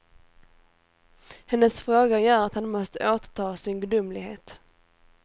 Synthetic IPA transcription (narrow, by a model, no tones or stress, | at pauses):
hɛnːəsfɾoːɡajœːɾat̪hanmɔst̪əʔoːt̪t̪ʰɑːsɪnɡɵd̪ʊmlɪɡheːt̪